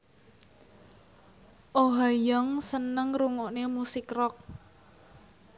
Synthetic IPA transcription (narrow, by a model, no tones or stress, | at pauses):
ʔoɦajɔŋsənəŋruŋɔʔnemusɪkrɔk̚